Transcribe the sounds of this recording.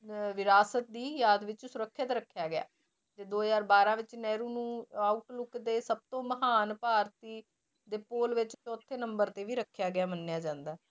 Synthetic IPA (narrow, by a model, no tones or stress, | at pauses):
ʋɪɾaːsət̪̚d̪iːjaːd̪ʋɪt͡ʃsʊɾəkʰːɪt̪ɾəkʰːjaːɡɪja̰ː | d͡ʒeːd̪oːzaːɾbaːɾãːʋɪt͡ʃnɛːɾuːnũːaːʊʈlʊkd̪eːsəb̚t̪õːməɦaːnpaːɾt̪iː | d̪eːpoːlʋɪt͡ʃt͡ʃɔːt̪ʰːeːnəmbəɾt̪eːʋiːɾəkʰːjaːɡɪjaːmənːɪjaːd͡ʒãːnd̪aː